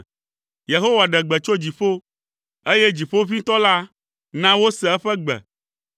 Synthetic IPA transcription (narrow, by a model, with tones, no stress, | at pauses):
je˨ɦo˦wa˨ɖɛ˨ɡ͡bɛ˨t͡ʃo˦d͡ʑi˨ɸo˦ | e˦jɛ˦d͡ʑi˨ɸo˦vi˦t̪ɔ˦la˦ | nã˦wo˦sɛ˨ɛ˦ɸɛ˦ɡ͡bɛ̰˨